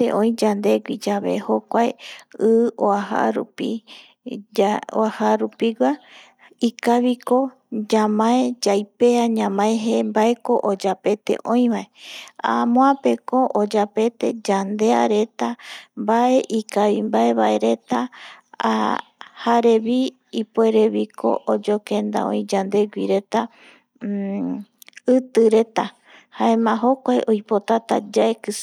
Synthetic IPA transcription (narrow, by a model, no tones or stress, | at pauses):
ḛʔõ̞ĩd͡ʒand̪e̞ɡʷid͡ʒaβe̞̰hokʷaeɨoaha̰ɾṵpi | o̰ahaɾupiɡʷa | ikaβiko | d͡ʒamãed͡ʒajpe̞aɲãmãẽɦembaeko̞ʔod͡ʒape̞t̪e̞̰ʔõ̞j̃βae̞a̰mõãpe̞koʔod͡ʒape̞t̪e̞d͡ʒand̪e̞a̰ɾe̞t̪ambae̞ʔikaβimbae̞βae̞ɾe̞t̪a̰ | haɾe̞βi | ipoe̞ɾe̞βikʰo̞̰ʔod͡ʒokẽ̞nd̪a̰õ̰ĩd͡ʒand̪e̞ɡʷiɾe̞t̪a | ɨt̪ɨɾe̞t̪a | haẽmãɦo̞kʷaeʔojpo̞t̪at̪a̰d͡ʒaekɨs